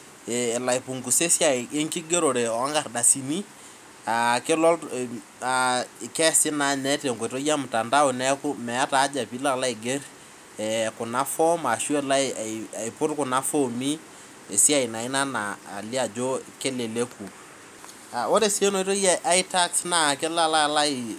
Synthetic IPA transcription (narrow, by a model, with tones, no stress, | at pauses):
ɛː˨la˨i˨pʊ˨ŋku˨se˦sja˦˨e˦ŋkɪ˦ɡe˦ɾo˨ɾe˨ɔ˨a˦ŋɡa˨rda˨si˨ni˦ | a˨kɪ˦lɔ˦l | a˨ɪ˨kɛ˦sɪ˦na˨nɛ˦te˨ŋɡo˨to˦ja˦mʊ˨ta˨nda˦ʊ˨nɛ˦kʊ˦mɛ˨a˦ta˨˦d͡ʒa˨pi˨˦la˦kla˦ɪ˨ɡe˦ɾ | ɛ˨kʊ˨na˦fɔ˦ma˨ʃu˦e˦la˦˨a˨i˨pʊ˦tkʊ˨na˦fɔ˦mi˦ | e˨sɪ˦a˦˨ɪ˨na˨ɪ˦na˦na̰ː˨lɪ˦a˨d͡ʒo˦ke˦le˨le˦kʰu˨ | a˨o˦ɾe˦se˦no˨i˦to˦ja˦ʔa˦ɪ˦ta˦ksna˦˨kɪ˦la˦la˦la˦ɪ˨